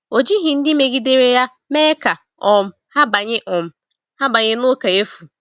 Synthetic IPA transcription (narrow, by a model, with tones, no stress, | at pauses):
o˨d͡ʒi˦ɦĩ˨n̩˦dɪ˦me˨ɡi˦de˦ɾe˦ja˦ | mɛː˦kʰa˨ | ɔ̃˨m̩˨ | ha˦ba˨ɲɪ˦ʔɔ̃˨m̩˨ | ha˦ba˨ɲɪ˦nʊ˦ka˨je˦fu˨